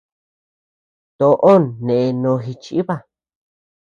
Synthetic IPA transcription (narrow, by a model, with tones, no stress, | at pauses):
t̪o˧˨ʔo˦nnẽ˨e˧nõ˨˧xi˧t͡ʃi˦i˦βa˦˨